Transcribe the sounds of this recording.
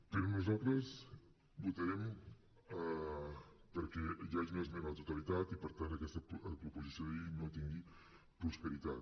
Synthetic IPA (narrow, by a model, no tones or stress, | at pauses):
pəɾonuzalˠt̪ɾəz | but̪əɾɛm | pəɾkɛʒaeznoezmemɐt̪ut̪alit̪at̪ipəɾt̪ant̪əkɛst̪əpəpɾupuzisjoðəinot̪iŋɡi | pɾuspəɾit̪at̪